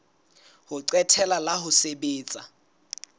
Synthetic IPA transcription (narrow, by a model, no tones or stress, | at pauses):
hʊǀwɛtʰɛlalaɦʊsebeːt͡sʼa